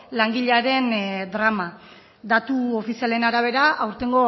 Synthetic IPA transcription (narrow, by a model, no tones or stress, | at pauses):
laŋɡiʎeaɾe̞nd̪ɾama | d̪at̪uo̞fisiale̞naɾaβ̞e̞ɾaawɾt̪e̞ŋɡo̞